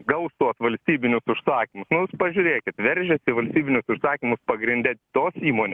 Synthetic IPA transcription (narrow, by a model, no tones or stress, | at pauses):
ɡɐʊst̪oɔsʋɐlʲsʲt̪ʲiːbʲɪnʲʊsʊʃsɑːkʲɪmʊsnʊjuːspɐʒʲʊɾʲeːkʲɪt̪ʋʲɛɾʲʒʲɛsʲɪʋɐlʲsʲt̪ʲiːbʲɪnʲʊsʊʃsɑːkʲɪmʊspɐɡɾʲɪnʲd̪ʲɛt̪oːsiːmoːnʲe